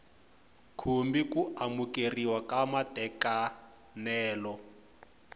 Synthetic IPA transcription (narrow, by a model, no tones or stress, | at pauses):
kʰumbikuʔamukeriwakamatʼɛka | nɛːlɔ